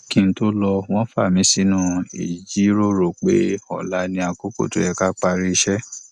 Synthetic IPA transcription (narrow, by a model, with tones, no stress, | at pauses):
kĩ˧n̩˦to˦lɔ˧w̃ɔ̃˦fa˦˨mĩ˨˦si˦nũ˦˨ḭ˨d͡ʒi˨˦ɾo˦ɾo˨k͡pe˦ɔ˦˨la˨˦nĩ˧a˧ku˦ko̰˦˨to˨˦ɛ˧ka˦k͡pa˧ɾi˦˧ʃɛ˦